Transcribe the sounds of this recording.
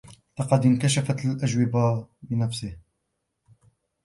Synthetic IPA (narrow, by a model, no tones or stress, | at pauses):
lɑqɑd̪ɪnkaʃafat̪alʔaʒwɪbabɪnafsɪh